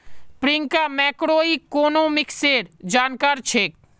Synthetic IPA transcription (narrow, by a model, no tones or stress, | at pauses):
pɾɪ̃ŋkamɛːkɾoːikːoːnoːmɪkseːɾd͡ʒaːnkaːɾt͡ʃʰeːk̚